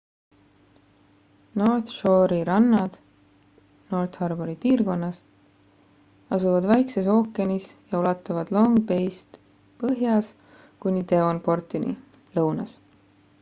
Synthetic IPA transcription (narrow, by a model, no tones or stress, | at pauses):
no̞ːrt̪ʃo̞ɾiɾɑnːɑd̪̥ | no̞ːrt̪hɑrboɾipiːrko̞nːɑs | ɑsuvɑd̪væjkses̬o̞ːkːˑenisjɑulɑt̪ːˑɑvɑd̪̥lo̞ŋpe̞jst̪ | pɤɦjɑs | kunʲːit̪e̞onpo̞rt̪ˑinḭ | lɤwnɑ̰s